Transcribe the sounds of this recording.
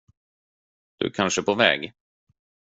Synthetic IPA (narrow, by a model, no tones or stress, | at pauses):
d̪̥ɵ̰kʰanʂəpʰovɛ̰ːɡ